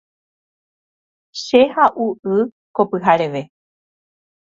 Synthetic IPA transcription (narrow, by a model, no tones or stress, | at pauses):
ʃe̞haʔuʔɨ | kopɨɦaɾeʋe̞